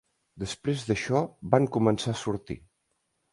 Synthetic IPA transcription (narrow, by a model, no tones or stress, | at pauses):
d̪əspɾezðəʃɔβaŋkumənsasuɾt̪ḭ